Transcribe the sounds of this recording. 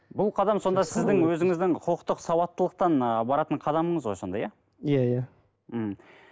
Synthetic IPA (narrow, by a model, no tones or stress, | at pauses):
bʊlˠqʰɑd̪ɑmso̞nd̪ɑsɪzd̪ɪŋwɵzɪŋɪzd̪ɪŋqʰʊlˠəqt̪əqsɑwɑt̪ːəlˠəq̚t̪ɑnəbɑɾɑt̪əɴqʰɑd̪ɑməɴəzwojso̞nd̪ɑjɑ | jaja | m̩